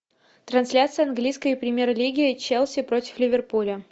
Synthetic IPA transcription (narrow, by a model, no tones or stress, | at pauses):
t̪ɾɐnsʲlʲat̪sɨjɐnɡlʲijskəjɪpɾʲɪmʲjeɾlʲiɡʲɪɪt͡ɕelˠsʲɪpɾo̞tʲɪ̥flʲɪvʲɪrpulʲə